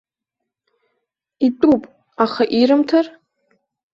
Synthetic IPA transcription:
itʼupʼ | aχaʔiɾɨmtʰar

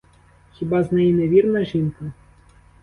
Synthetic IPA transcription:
xʲibaznɛjinɛvʲirnɐʒinkɐ

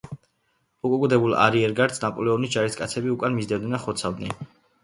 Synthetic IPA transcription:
ukʼukʼud̪ɛbulˠa̰ɾiɛɾɡaɾt̪sʰnapʼɔlɛɔnisd͡ʒaɾiskʼat̪sʰɛbiukʼanmizd̪ɛvd̪ɛnaχɔt̪sʰavd̪nɛ̰n

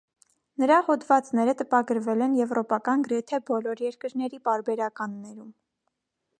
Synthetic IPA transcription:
nəɾɑhɔd̪vɑt͡snɛɾət̪əpɑɡəɾvɛlɛnjɛvɾɔpɑkɑnɡəɾɛt̪ʰɛbɔlɔɾjɛɾkəɾnɛɾipɑɾbɛɾɑkɑnːɛɾum

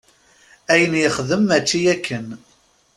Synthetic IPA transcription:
æjənjəχðəmːæt͡ʃːijækʰːən

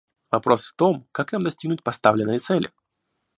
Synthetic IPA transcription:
vɐpɾo̞sft̪o̞mkaknamd̪ɐsʲtʲiɡnʊtʲpɐst̪avlʲɪnːɨjət̪sɛlʲɪ̰

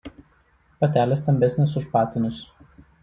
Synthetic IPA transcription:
pɐt̪ʲæːlʲɛst̪ɐmʲbʲɛsʲnʲɪsʊʃpɑːt̪ʲɪnʲʊs

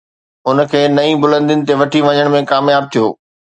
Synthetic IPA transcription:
ʊnə̆kʰeːnɐĩbʊlə̃nd̪ɪnɪ̆t̪eʋɐʈʰiʋɐɲəɽ̃mẽkaːmjaːb̚t̪ʰijoː

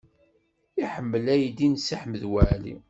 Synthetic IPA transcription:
iħəmːəlæjd̪insəħməðwæʕlḭ

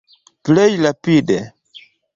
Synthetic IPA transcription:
plejlapide

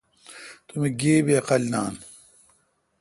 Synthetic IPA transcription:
t̪umeɡeːbeɐqɐlʲna̰ːn

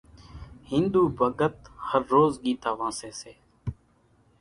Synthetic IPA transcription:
hɪ̃nd̪uːbʱəɡət̪̚həɾːoːzɡiːt̪aːʋãːseːseː

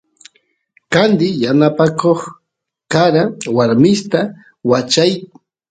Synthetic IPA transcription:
kand̪ɪjanapakʰoχ | kaɾawaɾmɪst̪a | wat͡ʃaj

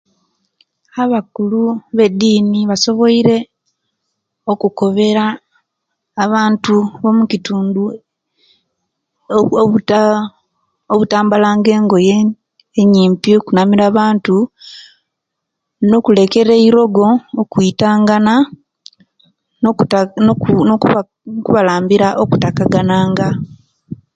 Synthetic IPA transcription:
aβakuluβe̞dːiːniβaso̞βo̞iɾe̞ | okuko̞βe̞ɾaː | βaːntuβo̞mucituːndu | oβutaːmbalaːŋɡe̞ːŋɡo̞je | eɲiːmpiokunamiɾaːβaːntu | no̞kule̞ke̞ɾeiɾo̞ɡo̞ːkuitaːŋɡana | o | noku | kuβalaːmbiɾaʔokutakaɡanaːŋɡa

